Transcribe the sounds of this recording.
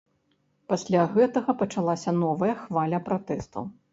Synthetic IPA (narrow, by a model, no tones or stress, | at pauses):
pasʲlʲaɣɛt̪ɐɣɐpɐt͡ʂalˠasʲɐnɔvɐjɐxvalʲɐpɾat̪ɛst̪ɐ̰w